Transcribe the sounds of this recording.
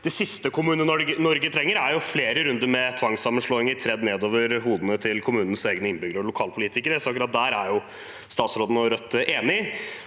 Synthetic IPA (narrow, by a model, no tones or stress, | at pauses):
d̪̥ɛsɪst̪əkʰʊmʉːnəəɔənɔɾɡət̪ʰɾɛŋːəɾæɾjʊfleːɾəɾʉnd̪əɾmɛt̪ʰʋɑŋsɑmːənʂɭɔːɪŋəɾt̪ʰɾɛd̪neːd̪oːʋəɾɦuːd̪ənət̪ʰɪlkʰʊmʉːnən̩seːɡnəɪnbʏɡɾəɾɔlʊkʰɑːlpʰʊliːt̪ɪkəɾəsɔɑkɾɑt̪̚d̪æːɾæɾjʊ | st̪ɑːt̪sɾoːd̪ənəɔɾœt̪ːʔeːnɪ